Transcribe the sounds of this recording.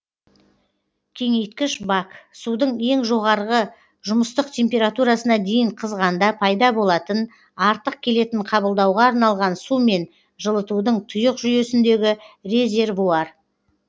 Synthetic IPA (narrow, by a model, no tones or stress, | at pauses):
kʲʰe̞ŋe̞jt̪̚kʲɪʃbaksud̪əɴe̞ŋʒo̞ʁɑɾʁə | ʒʊməst̪əqt̪ʰʲe̞mpʲe̞ɾat̪uɾasənɑd̪e̞jɪɴqʰəzʁɑnd̪ɑpʰɑjd̪ɑbo̞lˠɑt̪ən | ɑɾt̪əq̚kʲʰe̞le̞t̪ɪɴqʰɑbəlˠd̪ɑwʁɑːɾnɑlˠʁɑnsume̞n | ʒəlˠət̪ud̪əɴt̪ʰʊjəqʒʏje̞sɪnd̪e̞ɡʲɪɾe̞zʲe̞rvuɑɾ